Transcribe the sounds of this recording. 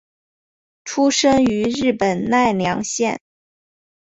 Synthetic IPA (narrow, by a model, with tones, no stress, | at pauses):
ʈ͡ʂʰu˥ʂɤ˥ŋy˧˥ɻɻ̩˥˩pə˨˩nna˥˩ɪljɑ˧˥ŋɕjɛ̰˥˩n